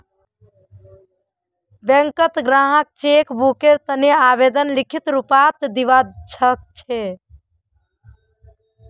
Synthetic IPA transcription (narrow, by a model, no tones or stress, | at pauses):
beŋkət̪ɡɾãɦək̚t͡ʃekbukeɾt̪əneabed̪ənlikʰit̪ɾupat̪d̪iʋat͡ʃʰət̪t͡ʃʰe